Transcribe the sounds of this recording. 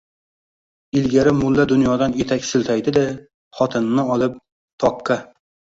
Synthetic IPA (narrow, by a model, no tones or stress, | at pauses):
ɪlɡʲaɾɪmʊlˠːad̪ʊnjɒd̪ane̞t̪ʰakʲsɪlt̪ʰajd̪ɪd̪ɪ | χɒt̪ʰɪnnːɪɒlˠɪp̚ | t̪ʰɒqːɑ